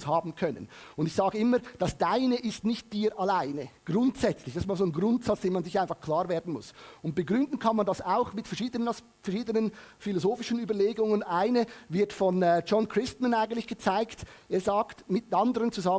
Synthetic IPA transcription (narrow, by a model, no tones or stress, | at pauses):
shaːbn̩kʰœnə̰nʊndɪçz̥aːɡəɪməd̥ɑsd̥aɪnəʔɪstnɪçt̚d̥iːɾʔalaɪnəɡ̥ʁʊntsɛt͡slɪçd̥stmaːlzoːnɡʁʊntsɑt͡sd̥eːnmanzɪçʔaɪnfɑχkʰl̥aːʁveːɐdn̩mʊsʊnt̚b̥əɡʁʏndn̩kʰɑnmɑndɑsaʊxmɪtfɛɐʃiːdənəns | fɛɐʃiːdənənfilozoːfɪʃən̩yːbɐleːɡʊŋənʔaɪnəvɪɐtfɔnɛd͡ʒɔnkʁ̥ɪstmənaɪɡən̩tlɪçɡ̥ət͡saɪkteːɐzaːktmɪt̚ɑndəʁənt͡suza